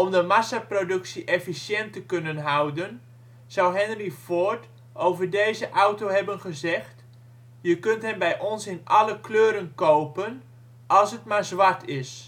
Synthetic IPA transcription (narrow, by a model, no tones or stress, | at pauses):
ɔmdəmasaprodɵksiʔefisjɛntəkønənɦawdən | z̥awɦɛnərifoːrt | ʔowvərdeːzəʔawtowɦɛbənχəzɛxt | jəkøntɦɛnbɛjʔɔnsɪnʔɑləkløːɾənkowpən | ʔɔlˠsətmarzʋatʰɪs